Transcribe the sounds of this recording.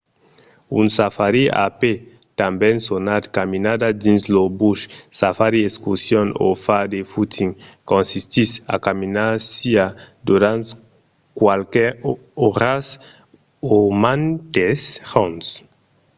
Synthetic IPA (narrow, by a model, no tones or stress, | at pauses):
ṵnsafaɾia̰pet̪ambɛ̃nsonad̪kaminad̪ad̪inslobuʃsafaɾieskusjono̰fad̪efut̪iŋkõnsist̪isa̰kaminaɾsia | d̪uɾãnt̪ | kwalkɛ | oɾas | omant̪eshons